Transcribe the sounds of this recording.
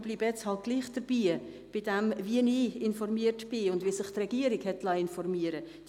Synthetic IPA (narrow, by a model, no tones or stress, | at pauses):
b̥liːbjɛt͡shɑlt̚ɡ̥liːχd̪̥əɾb̥iː | b̥ɪdɛmviəniːɪnfɔɾmiəɾtb̥ɪʊndvisɪχtrɛɡ̥iəɾiɡhɛtlɑːɪnfɔɾmiəɾə | d̥